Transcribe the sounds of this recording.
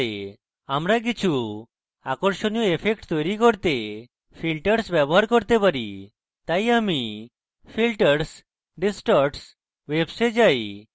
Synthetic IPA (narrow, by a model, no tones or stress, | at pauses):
e | amɾak̬it͡ɕʰu | akɔɾʃonijoepʰekʈt̪ɔjɾikɔɾt̪e | pʰilʈəɾsbɛbɔɦaɾkɔɾt̪epaɾi | t̪ajami | fʰilʈəɾs | ɖisʈɔɾʈs | websed͡ʒaj